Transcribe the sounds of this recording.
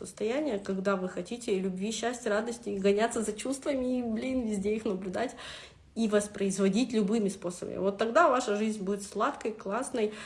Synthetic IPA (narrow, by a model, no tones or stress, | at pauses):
əst̪ɐjænʲɪjəkɐɡd̪avɨxɐtʲitʲɪlʲʊbvʲiɕːæsʲtʲrad̪əsʲtʲɪːɡɐnʲat̪səzɐt͡ɕust̪vəmʲɪiblʲinvʲɪzʲdʲeixnəblʲʊd̪atʲ | ivəspɾəɪzvɐdʲitʲlʲʊbɨmʲɪspo̞səbə̰mʲɪ̰vo̞t̪ːɐɡd̪avaʂəʐɨzʲnʲbudʲɪt̪slˠat̪kəjklˠasnəj